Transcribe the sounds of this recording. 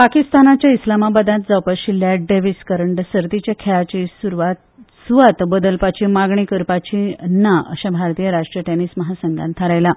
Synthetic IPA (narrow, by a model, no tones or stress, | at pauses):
pakist̪anat͡ɕjaislamabəd̪ãt̪̚d͡zawpəɾɕilːjaɖeʋiskəɾəɳɖsəɾt̪it͡ɕjakʰɛɭat͡ɕisuɾʋa | sʋat̪bəd̪əlpat͡ɕimaɡɳikəɾpat͡ɕinaʔə̰ɕabʱaɾt̪ijəɾaʂʈɾijəʈenisməɦasəŋɡa̰nt̪ʰaɾajla